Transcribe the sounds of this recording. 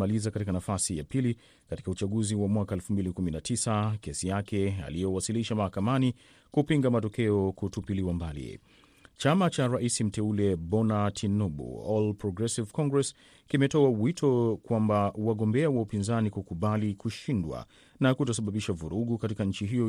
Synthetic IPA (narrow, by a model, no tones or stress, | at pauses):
alizakatikanafasija̰pili | kati̥kaut͡ʃaɠuziwamwakaɛlfumbilikuminatʰisakɛsijakɛa̰lijɛwasiliʃamahakamani | kupiŋɡamatɔkɛɔkutupiliwambalḭ | t͡ʃamat͡ʃaɾaisim̩tɛulɛbɔnatʰinɔɓṵɔlpɾɔɡɾɛsivkɔŋɡɹɛs | kimɛtɔawitʰɔkwambawaɠɔmbɛawaupinzanikukuɓalikuʃindwa̰ | nakutasaɓaɓiʃavuɾuɠukatikaɲ̩t͡ʃiɦijɔ